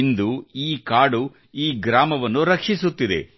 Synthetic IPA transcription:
nd̪uiːkaːɽu | iːɡɾaːmɐʋɐnːuɾɐkʂisut̪ːid̪e̞̰

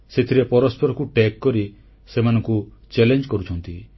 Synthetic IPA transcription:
set̪ʰiɾepɔɾɔspɔɾɔkuʈekːɔɾi | semanɔ̃ŋkut͡ʃelend͡ʒkɔɾut͡ʃʰɔnt̪i

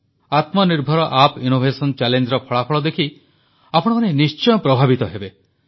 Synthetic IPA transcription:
at̪mɔniɾbʱɔɾɔʔapinobʱesɔnt͡ʃɛlend͡ʒɾɔpʰɔɭapʰɔɭɔd̪ekʰi | apɔɽ̃ɔmanenist͡ʃɔjɔpɾɔbʱabit̪ɔɦebe

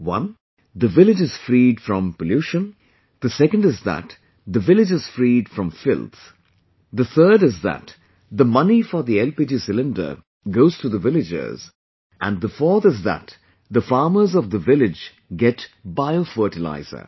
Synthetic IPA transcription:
wʌ̰̃n | ðəvɪlɪd͡ʒɨz̥fɾidfɹʌ̃mpəljuʃə̃n | d̪əsɛkə̃ndɨzðæ̰t | ðəvɪlɪd͡ʒɨz̥fɾiːd̥fɹʌ̃mfɪ̰lˠt̪ | d̪əθʰɜːɾɨzðæ̰t | ðəmʌnifəɾðiɛlpid͡ʒisɪlɪ̃ndə̰˞ | ɡoʊz̥tʰuðəvɪlɪd͡ʒə̰z | ʔæ̰̃nðəfɔɹθɨzðæ̰t | ðəfɑːmə˞zɔvðəvɪlɪd͡ʒ | ɡɛtbaɪofɜːʈɨla̰ɪz̥ə̰˞

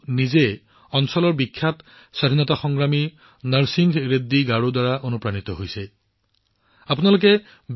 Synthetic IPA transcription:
nize | ɔnsɔlɔɹbikʰːat | sad̪ʱinɔtaxɔŋɡɹami | naɹsiŋɡɹedːiɡaɹudwaɹaʔonupɹanit̪ɔɦojsɛ | apunalokɛ | b

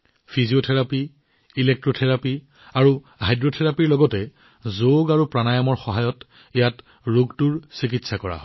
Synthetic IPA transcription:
pʰiziotʰɛɹapiː | lek̚tɹotʰɛɹapi | aɹu | ɦajdɹotʰɛɹapiɹlɔɡɔtɛ | zoɡaɹupɹanajɔmɔɹxɔɦajɔt | ɛjat | ɹuɡtuɹsikitsakɔɹa̰ɦɔ

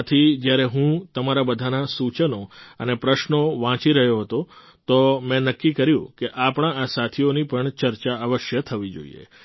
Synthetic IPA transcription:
t̪ʰid͡ʒjaɾeɦũt̪əmaɾabəd̪ʱanasut͡ʃənoənepɾəʃnoʋãt͡ʃiɾəɦjoɦət̪o | t̪omɛ̃nəkːikəɾjṵ̃keʔapɳ̃ãasat̪ʰionipəɳt͡ʃəɾt͡ʃaəʋəʃjət̪ʰəʋid͡ʒo̰ḭḛ

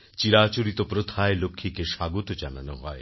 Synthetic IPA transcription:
t͡ɕiɾat͡ɕoɾit̪opɾot̪ʰaelokʰːikeʃaɡot̪od͡ʑana̰noɦɔe

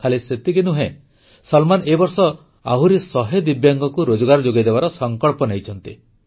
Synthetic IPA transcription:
kʰaliset̪ikinuɦẽ | sɔlmanebɔɾsɔ | a̰ɦuɾesɔɦed̪ibjaŋɡɔkuɾod͡ʒɔɡaɾɔd͡ʒoɡid̪ebaɾɔsɔŋkɔɭpɔnejt͡ʃʰɔnt̪i

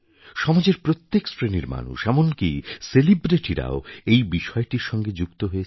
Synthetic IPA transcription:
ʃɔmad͡ʑeɾpɾot̪ːeksɾeniɾma̰nṵʃɛmonkiselibɾeʈiɾa̰oejbiʃɔeʈiɾʃɔŋɡed͡ʑukt̪oɦoe

